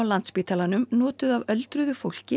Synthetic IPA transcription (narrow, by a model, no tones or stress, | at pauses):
awlant̪spiːt̪ʰalanʏmnɔːt̪ʏðavœlt̪ɾʏðʏfowl̥cɪ